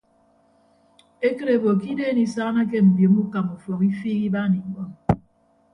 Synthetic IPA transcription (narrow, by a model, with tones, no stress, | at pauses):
e˦ke˦ɾe˨bo˨ki˦de˦ni˨sa˦na˦k̬e˦m̩˨bjo˨˦mu˦ka˨mu˨fɔ˨ki˦fiː˦ɣi˦ba˦ni˨˦bɔ˦